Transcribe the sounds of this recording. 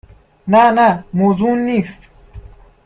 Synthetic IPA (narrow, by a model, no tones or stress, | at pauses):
nanamoːzuːnːiːst̪